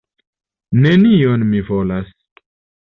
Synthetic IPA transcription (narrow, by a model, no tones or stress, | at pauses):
ne̞nionmivo̞las